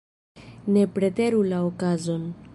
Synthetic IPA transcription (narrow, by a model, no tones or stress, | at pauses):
ne̞pɾe̞te̞ɾulaokazo̞n